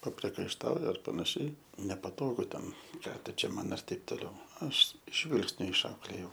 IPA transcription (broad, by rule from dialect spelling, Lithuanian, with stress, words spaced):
pɐpʲrʲiɛkɐɪʃˈtɐʊjɛ ɐr pɐnɐˈʃʲɛɪ nʲɛpɐˈtoːɡʊ ˈtʲɛn ˈkɑː tʊ t͡ʃʲɛ ˈmɐn ɪr ˈtɐɪp toːˈlʲɛʊ ˈɐʃ ˈʒʲʋʲɪlˠksʲnʲʊ ɪʃˈɐʊklʲeːjɛʊ